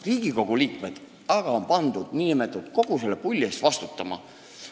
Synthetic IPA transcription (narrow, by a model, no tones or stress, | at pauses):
riːɡ̥iko̞ɡ̥uliːkmed̪̥ | ɑɡ̥ɑo̞mpɑnd̪̥ud̪̥niːimet̪ːˑud̪̚ko̞ɡ̥uselepulʲːest̪vɑst̪ut̪ːˑɑmɑ̰